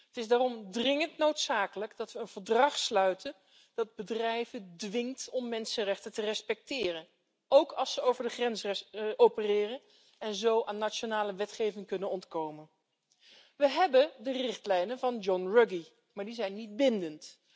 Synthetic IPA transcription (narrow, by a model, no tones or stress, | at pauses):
ətɪzdaːrɔmdrɪŋəntnowtsaːkələɡdɑtʋəːnv̥əɹdrɑχslœɥtən | d̥ɑd̚bədrɛjvəndʋɪŋtɔmːɛnsənrɛχtətərɛspɛk̚tɪːrən | owkɑlˠsəowvəɹdəχrɛnsɛʔowpərɪːrən | ɛnzowʔaːnːat͡ʃonaːləʋɛtχejvɪŋkɵnənɔntkowmən | ʋəɦɛbəndərɪχtlɛjnənvɑnd͡ʒɔnrɵɡi | maːɹdizɛjnːid̚bɪndənt